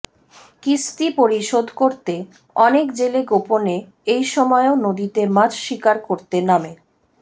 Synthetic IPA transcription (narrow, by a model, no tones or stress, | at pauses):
kist̪ipoɾiʃod̪ʱkoɾt̪e | ɔnekd͡ʑeleɡopone | ejʃɔmɔeonod̪it̪emad͡ʑʃikaɾkoɾt̪ename